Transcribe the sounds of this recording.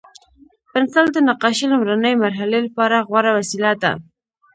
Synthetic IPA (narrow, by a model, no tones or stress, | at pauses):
pɪnsɑld̪ənaqɑʃilʊmɾanəjmaɾɦalelapɑɾaɣwaɾawasilat̪a̰